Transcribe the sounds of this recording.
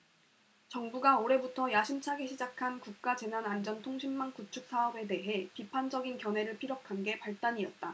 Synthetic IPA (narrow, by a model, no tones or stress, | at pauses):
t͡ɕʌŋbuɡaoɾe̞butʰʌjaɕʰimt͡ɕʰaɡeɕʰid͡ʑakʰankuk̚k͈ad͡ʑe̞nanand͡ʑʌntʰoŋɕʰimːankut͡ɕʰuk̚s͈aʌbe̞de̞ɦe̞pipʰand͡ʑʌɡinkjʌne̞ɾɯɭpʰiɾjokʰanɡe̞paɭt͈aɲiʌt̚t͈a